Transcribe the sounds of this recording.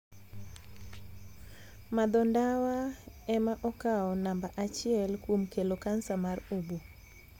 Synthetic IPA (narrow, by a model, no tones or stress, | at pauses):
mad̪ɔndawaɛmaʔɔkaɔnambaʔat͡ʃɪɛlkwomkelokansamaɾobo